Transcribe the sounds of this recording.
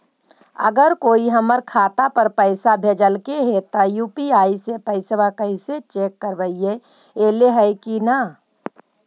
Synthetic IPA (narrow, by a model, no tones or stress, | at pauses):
ə̰ɡəɾkoːiɦəməɾkʰaːt̪apəɾpəɪsabʱeːd͡ʒəlkeɦet̪ajuːpiaːisepəɪsʋakəɪset͡ʃeːkːəɾʋəie | eːleɦɛɪkina